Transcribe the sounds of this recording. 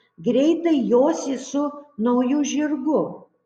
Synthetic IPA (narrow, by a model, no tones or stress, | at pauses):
ɡɾʲɛɪt̪ɐɪjoːsʲɪsʊnɐʊjʊʒʲɪɾɡʊ